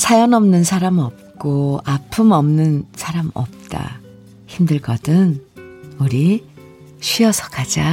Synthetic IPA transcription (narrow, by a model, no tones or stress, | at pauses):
sʰajʌnʌmnɯnsʰaɾamʌp̚k͈oapʰɯmʌmnɯnsʰaɾamʌ̰p̚t͈a̰ | çimdɯɭɡʌdɯn | uɾi | ɕʰɥiʌsʰʌ̥kʰad͡ʑa